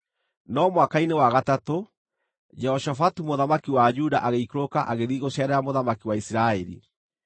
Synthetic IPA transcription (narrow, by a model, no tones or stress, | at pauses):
nɔmwakainewaɣatato | d͡ʒɛhɔʃafatumoðamakiwad͡ʒudaʔaɣeikɾokaʔaɣeðiɣoɕjaɾaamoðamakiwaisɾaɛɾḭ